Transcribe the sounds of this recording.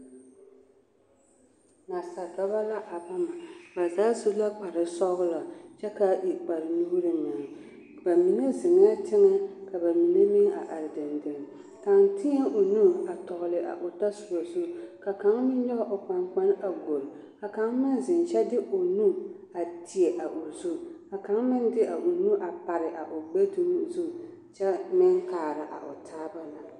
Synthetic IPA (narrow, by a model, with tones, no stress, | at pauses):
na˨sa˨da˦ba˦la˦ʔa˨ba˦ma˨ba˨zaː˨˦zu˦la˦k͡pa˨ɾɨ˨sɔ˦ɣʊ˦la˨t͡ʃɛ˦ka˦ʔi˨k͡pa˨ɾɨ˨nuː˦ɾɨ˦ɲa˨ŋ˨ | ba˨mi˨ne˦zɪ˨ŋ˦a˦tɪ˦ŋɛ˦ka˨ba˨mi˨ne˦mɪ˦ŋa̰˨ʔa˨ɾɪ˨dɪ˨ndɪ˨ŋ˨ | ta˨ŋtɪ˦ɲa˦ʔo˨nu˦a˨tɔ˨ɣʊ˨lɨ˨ʔa̰˨ʔo˨ta˦su˨ɾo˨zu˦ka˨ka˨˦ŋmɪ˦n˦ɲɛ˦ɣa˨ʔʊ˨k͡pa˨ŋk͡pa˦na˨ɡo˨l | ka˨ka˦ŋmɪ˦nzɪ˨nt͡ʃɛ˦dɪ˦o˨nu˦ | a˨tʰi˨e˨ʔa˨ʔo˨zu˦a˨ka˦ŋmɪ˦ndɪ˦ʔa˨ʔo˨nu˦ʔa˨pa˨ɾɪ˨ʔa˨ʔʊ˨ɡ͡be˦du˦m˦zu˦ | t͡ʃɛ˦mɪ˦ŋkaː˨ɾa˨ʔa̰˨ʔʊ̰˨tʰaː˦ba˦la˨